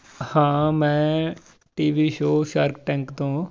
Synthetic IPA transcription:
hãːmɛ̃ː | ʈiːʋiːʃoːʃaːɾkʈɛ̃ːŋkt̪õː

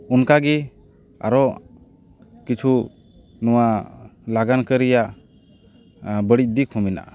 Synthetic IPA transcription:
unkaɡi | a̰ɾɔ | kit͡ʃʰu | nɔwalaɡankəɾija | bəɽic̚d̪ikʰumina̰

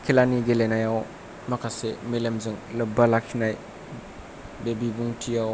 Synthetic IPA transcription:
kʰilaniɡelenajaw | makʰasemelemzɯŋlɯbːalakʰinaj | bebibuŋtʰijaw

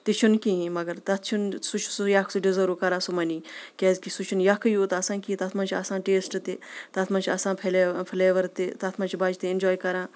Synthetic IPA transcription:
t̪it͡ʃʰunkiɦĩmɐɡɐɾt̪ɐt̪ʰt͡ʃʰunsut͡ʃʰsujakʰsuɖizɐɾukɐɾaːsumɐniːkʲɛːzkisut͡ʃʰunjakʰɐjot̪ɐsãːkit̪ɐt̪ʰmɐːnt͡ʃʰiɐsãːʈeːsʈt̪et̪ɐt̪ʰmɐːt͡ʃʰiɐsãːpʰelepʰleːʋɐɾt̪et̪ɐt̪ʰmɐ̃nt͡ʃʰibaːd͡ʒt̪eɪnd͡ʒɔːjkɐɾãː

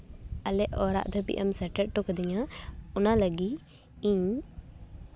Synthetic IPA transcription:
alɛʔɔɾa̰ʔd̪ɔbḭʔa̰msɛɾʈɛʔ̚ʈɔkd̪iɲaɔnaləɡi | iɲ

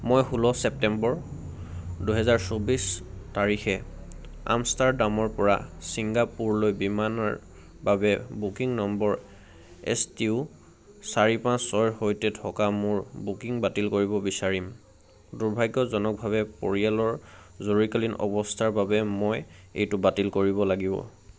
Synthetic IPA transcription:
mojhulɔsɛp̚tɛmbɔɹ | duɦɛzaɹsobistaɹixɛ | a̰mstaɹdamɔɹpɔɹa̰siŋɡapuɹlojbimanɔ̰ɹ | babɛbukiŋnɔmbɔɹ | ɛ̰stiu | saɹipãsːɔjɦojtɛtʰɔkamʊɹbukiŋbatilkoɹibɔbisaɹim | duɹbʱajɡɔzɔnɔk̚bʱaβɛpo̰ɹialɔɹzoɹikalinɔ̰bɔstʰaɹbabɛmojḛjtʊbatilkoɹiβɔlaɡibɔ̰

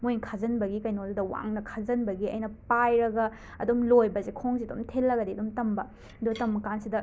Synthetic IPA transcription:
mojnkʰazɐnbɐɡikɐjnodudɐwa̰ŋnɐkʰazɐnbɐɡiɐ̰jnɐpajɾɐɡɐ | ɐdomlojbɐzekʰoŋziɐdomtʰelːɐɡɐdiɐdumtɐmbɐ | dutɐmːɐkansidɐ

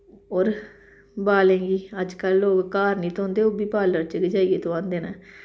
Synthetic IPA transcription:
oːɾ | baːlẽːɡiːəd͡ʒkəlːoːɡkaːɾnĩːt̪õːnd̪eːoːbiːpaːləɾt͡ʃəkd͡ʒaːieːt̪õãːnd̪eːnaː

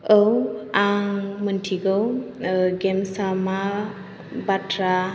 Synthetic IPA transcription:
əwaŋməntʰiɡəw | ɡɛmsama | batʰɾa

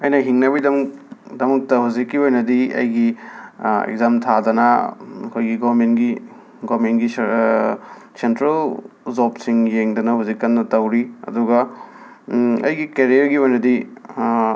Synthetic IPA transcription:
ɐjnɐɦiŋnɐbidɐmukdɐmɐk̚tɐɦuzikːiojnɐdiɐ̰jɡi | ḛk̚zamtʰadɐnɐɐkʰojɡiɡoɐɾmentɡi | ɡomentɡi | sentɾelzopsiŋjeŋdɐnɐhuzikːɐnːɐtɐwɾiɐ̰duɡɐ | ɐ̰jɡikeɾijɐɾɡiojnɐdi

